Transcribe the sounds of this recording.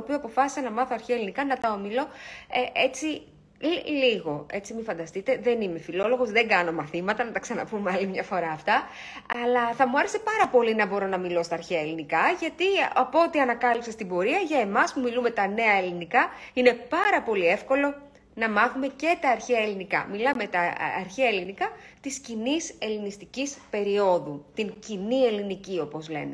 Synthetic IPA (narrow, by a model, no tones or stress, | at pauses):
opioɐpo̞fɐsi̥sɐnɐmɐθoɐɾçeɐelinikɐnɐt̪ɐo̞milo̞eʔet͡si | lliɣo̞e̞t͡simifɐnd̪ɐst̪it̪e̞ðe̞nime̞filo̞lo̞ɣo̞zðe̞ŋɡɐno̞mɐθimɐt̪ɐnɐt̪ɐksɐnɐpumeɐlimɲɐfo̞ɾɐːft̪ɐ | ɐlɐθɐmuɐɾe̞se̞pɐɾɐpo̞linɐbo̞ɾo̞nɐmilo̞st̪ɐːɾçeɐelinikɐʝɐt̪iɐpoot̪iɐnɐkɐlipsest̪ibo̞ɾiɐʝɐe̞mɐspumilume̞t̪ɐne̞ɐe̞linikɐine̞pɐɾɐpo̞lie̞fko̞lo̞ | nɐmɐθume̞ce̞t̪ɐːɾçeɐelinikɐ̰milɐmet̪ɐɐɾçeɐelinikɐt̪iscinise̞linist̪icispe̞ɾio̞ðut̪iŋcinie̞linicio̞po̞zle̞̰ne̞